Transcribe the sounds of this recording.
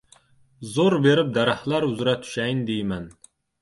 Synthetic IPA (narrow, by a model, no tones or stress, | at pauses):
zoɾbeɾɪp̚d̪æɾɑhlˠɑɾuzɾɛt̪ʰːy̥ʃɛjnd̪ejmɛn